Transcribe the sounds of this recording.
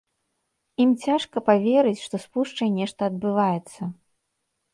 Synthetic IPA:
imt͡sʲaʂkɐpavʲeɾɨt͡sʲʂt̪ɔspuʂt͡ʂɐjnʲɛʂt̪ɐːd̪̚bɨvajɛt̪sːɐ

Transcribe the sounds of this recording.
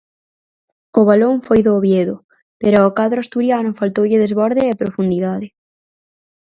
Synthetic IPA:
ʊβaloŋfojðoːβjeðʊ | peɾaokaðɾʊast̪uɾjanʊfalt̪owʎɪðezβɔɾðɪepɾofund̪iðaðɪ

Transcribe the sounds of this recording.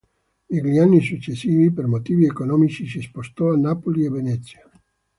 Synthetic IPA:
eɡlianːisut͡ʃːesiːvipermot̪iːviekonɔːmit͡ʃisispost̪ɔanːapolievenɛt̪sja

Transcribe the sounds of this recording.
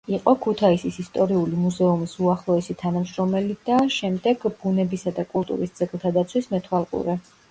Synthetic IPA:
iqʼɔkʰut̪ʰaisisist̪ʼɔɾiulimuzɛumisuaχlˠɔɛsit̪ʰanamʃɾɔmɛlid̪̥aʃɛmd̪ɛɡb̥unɛbisad̪akʼulˠt̪ʼṵɾisd̪z̥ɛɡlˠt̪ʰad̪at̪sʰwismɛt̪ʰwalˠqʼṵɾɛ

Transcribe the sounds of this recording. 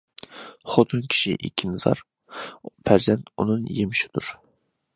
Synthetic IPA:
χot̪ʰunkʲʰi̥ʃḭʔḭkʲʰːinɨzɑ̰ɾ | pʰæɾzɛnt̪unɨnjemɪʃi̥d̪̥uɾ

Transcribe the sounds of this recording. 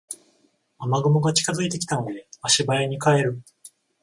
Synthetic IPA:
amaɡɯmoɡat͡ɕi̥kazɨit̪e̞kʲi̥t̪ano̞d̪e̞aɕibaeɲ̟ikae̞ɾɯ̟

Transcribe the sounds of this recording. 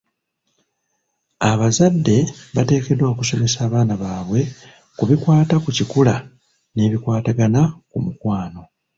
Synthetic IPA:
aβazadːe̞βate̞ːke̞dwo̞ːkuso̞me̞saːβaːnaβaːβwe̞ | kuβikwaːtakucikula | ne̞ːβikwaːtaɡanakumukwaːno̞

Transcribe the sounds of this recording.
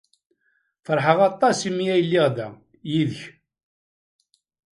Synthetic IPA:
fəɾˤħəʁɑt̪ˤːɑsimijæjlːiʁðæ | jiðəç

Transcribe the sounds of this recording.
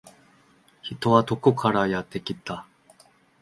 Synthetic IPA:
çit̪o̞βat̪o̞kokʰaɾajat̪ːe̞kʲit̪ːa

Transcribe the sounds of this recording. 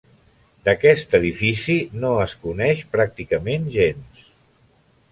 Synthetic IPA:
d̪əkɛst̪əðifisinoəskunɛʃpɾak̚t̪ikəmenʒens

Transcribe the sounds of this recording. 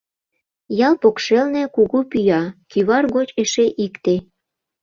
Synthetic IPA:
jɑlpokʃelnekuɣupyjɑkyβɑrɣot͡ɕeʃeʔikt̪e

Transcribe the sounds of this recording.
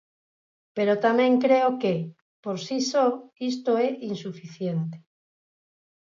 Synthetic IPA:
peɾot̪amẽŋkɾeoke | poɾsisoist̪oeʔinsufiθjent̪e̥

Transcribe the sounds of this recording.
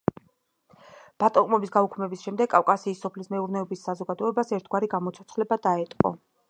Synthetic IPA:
b̥at̪ʼɔqʼmɔbisɡaukʰmɛbisʃɛmd̪ɛɡʼafkʼasiːsːɔpʰlismɛuɾnɛɔbisːazɔɡad̪ɔɛbasɛɾt̪ʰɡwaɾiɡamɔt̪sʰɔt̪sʰχlɛbad̪aɛt̪ʼqʼɔ̰

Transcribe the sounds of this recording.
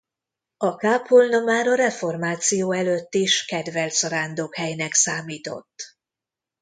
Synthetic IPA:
ɒkaːpʰolnomaːɾɒɾɛfo̞rmaːt̪sijoːɛløt̪ːiʃkɛd̪vɛlt̪sɒɾaːnd̪okhɛjnɛksaːmiːt̪o̞̰t̪ː

